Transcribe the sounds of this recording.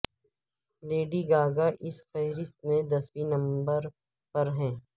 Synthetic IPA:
leːɖiɡaːɡaʔɪsfɛɦɾɪst̪mẽd̪ɐswinɐ̃mbəɾ | pɐɾɦɛ̃ː

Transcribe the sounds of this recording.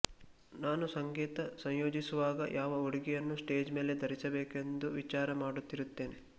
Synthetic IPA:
naːnusɐŋɡeːt̪ɐsɐɲjoːd͡ʒisuʋaːɡɐjʔaːʋɐoɽiɡɛjɐnːusʈe̞ːd͡ʒme̞ːle̞d̪ɐɾisɐbeːke̞nd̪uʋit͡ʃaːɾɐmaːɽut̪ːiɾut̪ːe̞ːne

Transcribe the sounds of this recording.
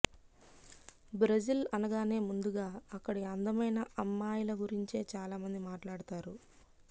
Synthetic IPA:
bɾɐd͡ʒilɐnɐɡaːne̞ːmund̪uɡaːɐkːɐɽiɐnd̪ɐmɐjnɐʔɐmːaːjilɐɡuɾiɲt͡ʃe̞ːt͡ʃaːlaːmɐnd̪imaːʈlaːɽut̪aːɾu

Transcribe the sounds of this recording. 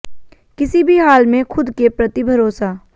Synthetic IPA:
kɪsibʱiɦaːlmẽxʰʊd̪kepɾɐt̪ibʱɐɾoːsaː

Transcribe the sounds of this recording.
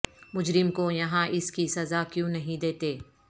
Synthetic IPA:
mʊd͡ʒɾɪmkojɐɦãʔɪskisɐzakjũːnɐɦĩd̪eːt̪eː

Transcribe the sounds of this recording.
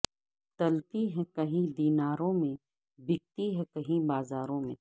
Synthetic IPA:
t̪ɐlpiɦɛ̃kɐɦĩd̪iːnaːɾõmẽ | bɪk̚t̪iɦɛ̃kɐɦĩbaːzaːɾõmḛ̃

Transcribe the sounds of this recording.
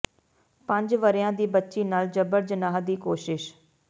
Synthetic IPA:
pə̃ɲd͡ʒʋəɾjãːd̪iːbətːʃiːnaːld͡ʒəbəɾd͡ʒənaːɦd̪iːkoːʃɪʃ

